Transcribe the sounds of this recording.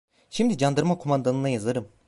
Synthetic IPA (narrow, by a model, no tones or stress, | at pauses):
ʃimd̪id͡ʒand̪ɯɾmakʰomand̪anɯnajazɯɾɯm